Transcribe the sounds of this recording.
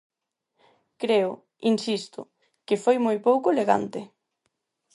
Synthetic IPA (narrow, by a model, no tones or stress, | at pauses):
kɾeʊ | insist̪ʊ̰ | kɪfojmojpowkʊleɣa̰nt̪ɪ